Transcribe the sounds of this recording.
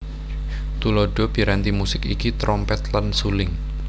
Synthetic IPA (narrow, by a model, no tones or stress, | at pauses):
t̪uloɖ̥o̤b̥i̤ɾant̪imusɪkikit̪ɾɔmpɛt̪lansulɪŋ